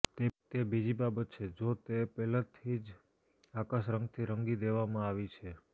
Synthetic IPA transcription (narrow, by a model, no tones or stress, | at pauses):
t̪et̪ebid͡ʒibabət̪̚t͡ʃʰed͡ʒot̪epɛlat̪ʰid͡ʒ | akaʃɾə̃ŋɡt̪ʰiɾəŋɡid̪eʋamãaʋit͡ʃʰe